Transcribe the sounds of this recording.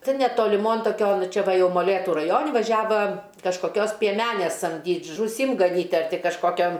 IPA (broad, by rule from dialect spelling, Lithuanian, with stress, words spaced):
ˈtʲɪn nʲɛtoːlʲɪˈmoːn toːˈkʲoːn ˈt͡ʃʲɛ ˈʋɐ ˈjɛʊ moːˈlʲeːtʊ rɐˈjoːnʲɪ ʋɐˈʒʲæːʋɐ kɐʃkoːˈkʲoːs pʲiɛˈmʲæːnʲeːs sɐmʲˈdʲiːtʲ ʒuːˈsʲɪm ɡɐˈnʲiːtʲ ɐr ˈtʲɪ kɐʃˈkoːkʲɛm